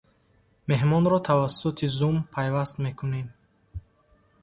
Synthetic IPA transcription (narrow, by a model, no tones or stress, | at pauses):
me̞ɦmɔnɾɔt̪ʰavasːut̪ʰizumpʰajvast̪me̞kʰune̞m